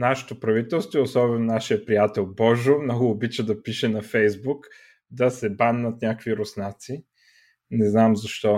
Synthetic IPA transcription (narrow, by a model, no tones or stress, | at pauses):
naʃɛ̥t̪opɾɐvit̪ɛlˠst̪voiosɔbɛnonaʃijəpɾijat̪ɛlˠbɔʒomnɔɡʊːbit͡ʃəd̪ɐpiʃɛnɐfɛjzbuk | d̪ɐsɛbanːət̪nʲakviɾʊsnat̪si | nɛznamzɐʃt̪ɔ